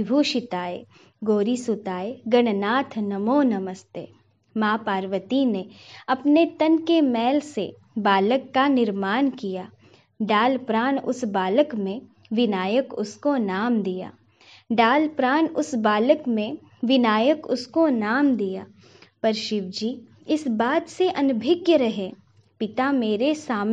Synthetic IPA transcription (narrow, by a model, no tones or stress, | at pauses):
bʱuʃɪt̪aːe | ɡoːɾisʊt̪aːeɡɐɽ̃naːt̪ʰnɐmoːnɐməst̪ḛː | maːpaːɾʋət̪ineɐpnet̪ɐnkemɛːlsḛ | baːləkːanɪɾmaːnkijaː | ɖaːlpɾaːnʊ̰sbaːləkmẽ | ʋɪnaːjəkʊskonaːmd̪ija̰ː | ɖaːlpɾaːnʊsbaːləkmẽ | ʋɪnaːjəkʊskonaːmd̪ijaː | pɐɾʃɪʋd͡ʒiː | ɪsbaːt̪seʔɐnbʱɪɡjəɾɐɦeː | pɪt̪ameːɾesaːm